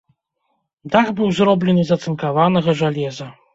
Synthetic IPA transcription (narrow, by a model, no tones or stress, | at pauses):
d̪aɣbɨwzrɔblʲɛnɨzɐt̪sɨnkavanɐɣɐʐalʲɛzɐ